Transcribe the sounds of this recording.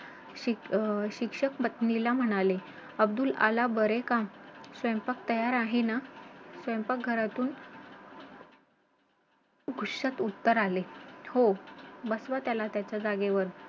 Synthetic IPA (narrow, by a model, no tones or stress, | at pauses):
ɕiɕikʂəkmət̪nilam̤əɽ̃ale | əbd̪uːla̰labəɾekamsʋəmpakt̪əjaɾaɦenasʋəmpak̚ɡʱəɾat̪uːn | ɡʱuʂat̪ut̪ːəɾalehobəsʋat̪jalat̪jat͡ɕjad͡zaɡeʋəɾ